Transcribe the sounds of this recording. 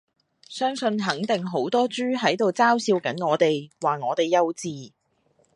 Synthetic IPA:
sœː˥ŋsɵ˧nɦɐ˨˥ŋt̪ɪ˨ŋɦo˨˥wt̪ɔː˥t͡ʃyː˥ɦɐ˨˥jt̪o˨wt͡saː˥wsiː˧wkɐ˨˥nŋɔː˨˧t̪e˨jwaː˨ŋɔː˨˧t̪e˨˩jːɐ˧wt͡siː˨˧

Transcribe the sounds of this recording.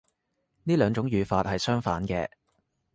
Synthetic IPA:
niː˥lœː˨˧ŋt͡ʃʊ˨˥ŋjyː˨˧faː˧t̚hɐ˨jsœː˥ŋfaː˨˥nkɛː˧

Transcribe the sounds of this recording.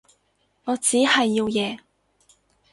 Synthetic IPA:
ŋɔː˨˧t͡siː˨˥hɐ˨jːiː˧wjɛː˨˧

